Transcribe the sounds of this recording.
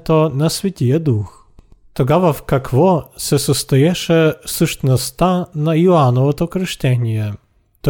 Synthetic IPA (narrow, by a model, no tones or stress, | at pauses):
t̪ɔnɐsvʲɛtʲijɛd̪ux | t̪ɔɡavafkakvɔsɛsɔst̪ɐjɛʂɛsuʂt̪nɔst̪anajʊanɔvɔt̪ɔkɾɪʃtʲɛnʲijɛ | t̪ɔ